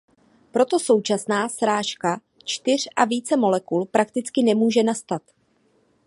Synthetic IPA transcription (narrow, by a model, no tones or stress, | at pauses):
pɾo̞t̪o̞so̞wt͡ʃasnaːsɾaːʃka | t͡ʃt̪ɪr̝ʔaviːt͡sɛmo̞lɛkulpɾakt̪ɪt͡skɪnɛmuːʒɛnast̪at̪